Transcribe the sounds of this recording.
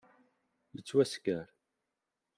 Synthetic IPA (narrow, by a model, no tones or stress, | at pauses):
jət͡sːwæskæɾ